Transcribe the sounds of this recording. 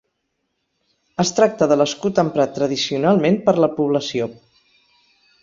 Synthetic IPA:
əst̪ɾak̚t̪əðələskut̪əmpɾat̪ːɾəðisiunalˠmenpəɾləpuβ̞ləsio

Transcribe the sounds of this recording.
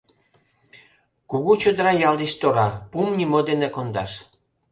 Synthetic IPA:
kuɣut͡ɕud̪əɾɑjɑld̪eʃt̪oɾɑpumnʲimod̪enekond̪ɑ̰ʃ

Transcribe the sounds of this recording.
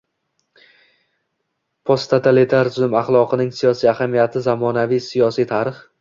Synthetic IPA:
pʰost̪ʰat̪ʰalit̪ʰaɾzʊmaχlˠɒqʰɨnɪŋsijɒsiahamijat̪ʰɪzamɒnavijsijɒsijt̪ʰaɾɪχ

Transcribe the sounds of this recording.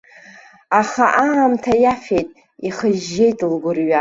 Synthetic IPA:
aχaʔaːmtʰajafe̞jtʼ | iχəʒːe̞jtʼlɡʷʊrɥa

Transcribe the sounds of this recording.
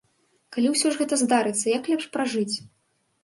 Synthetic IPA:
kalʲiwsʲɔʐɣɛt̪ɐzd̪aɾɨt̪sːɐjɐklʲɛpʂpɾaʐɨt͡sʲ

